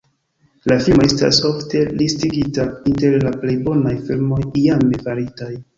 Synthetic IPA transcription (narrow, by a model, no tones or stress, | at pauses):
lafilmo̞e̞sta̰so̞fte̞listiɡitainte̞ɾlaple̞jbo̞najfilmo̞jjamevaɾitaj